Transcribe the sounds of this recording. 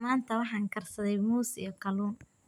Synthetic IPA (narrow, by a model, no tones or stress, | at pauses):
maːnt̪ʰɐwɑħɑːŋkʰɐrsɐðɛjmuːsḭjɞqʰɐluːn